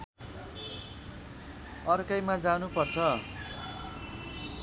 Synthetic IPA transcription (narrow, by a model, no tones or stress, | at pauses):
ʌrkʌjmad͡zanupʌrt͡sʰʌ